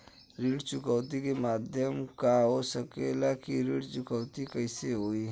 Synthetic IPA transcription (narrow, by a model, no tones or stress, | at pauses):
ɾiːɽt͡ʃʊkəːt̪ikemaːd̪ʱjəmkaɦoːsəkeːlakiɾiːɽt͡ʃʊkəwt̪ikəɪseɦoːiː